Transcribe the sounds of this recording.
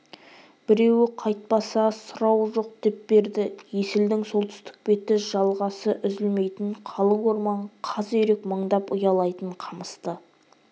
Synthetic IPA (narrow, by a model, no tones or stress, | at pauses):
b̥ɪɾe̞wɪqʰɑjt̪̚pɑsɑsʊɾɑwʒo̞q̚d̪̥e̞p̚be̞ɾd̪ɪje̞sɪld̪ɪŋso̞lˠt̪ʏ̥st̪ɪ̥k̚be̞t̪ɪʒ̥ɑlˠʁɑsəʔʏzɪlme̞jt̪ɪɴqʰɑlˠəwo̞ɾmɑɴqʰɑzʏɾe̞kməɴd̪ɑpʊjɑlˠɑjt̪əɴqʰɑməst̪ə